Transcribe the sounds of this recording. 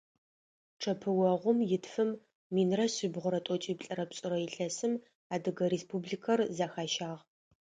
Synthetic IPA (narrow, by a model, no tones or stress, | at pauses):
ʈ͡ʂʰɐpʰɨwɐʁʷʊmjɪtfɨmː | iːnrɐɕibʁʷʊɾɐtʷʼɔt͡ʃʼiːpɬʼɐɾɐpɕʼʊɾɐjɪɬɐsɨm | aːdɨɣɐɾeːspʰublikʰɐrzaːxaːʃaːʁ